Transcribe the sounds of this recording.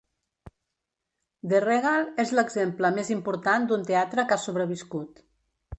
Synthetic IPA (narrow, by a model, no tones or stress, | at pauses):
d̪ereɣalˠezləɡzempləmezimpuɾt̪and̪unt̪eat̪ɾəkasuβɾəβ̞iskut̪